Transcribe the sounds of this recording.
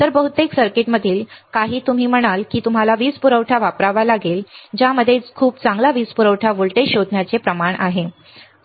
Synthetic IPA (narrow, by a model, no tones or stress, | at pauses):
t̪əɾbəɦut̪eksəɾkeʈməd̪ʱiːlkaɦiːt̪um̤iːm̤əɽ̃alkiːt̪um̤alaʋiːspuɾəwʈʰaʋapɾaʋalaɡeːld͡ʑaməd̪ʱːjekʰuːp̚t͡sãŋɡlaʋiːspuɾəʋʈʰaʋoɭʈeɕod̪ʱnjat͡sepɾəmaɳʔaɦe